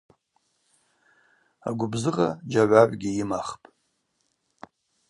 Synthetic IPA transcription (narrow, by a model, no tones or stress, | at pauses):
a̰ɡʷʊbzɨʁad͡ʒaʕʷaʕʷɡʲiimaχpʼ